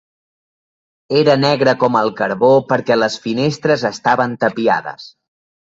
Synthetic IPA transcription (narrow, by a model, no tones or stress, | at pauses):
eɾənɛɣɾəkɔməlˠkəɾβopəɾkɛləsfinest̪ɾəzəst̪aβənt̪əpia̰ðə̰s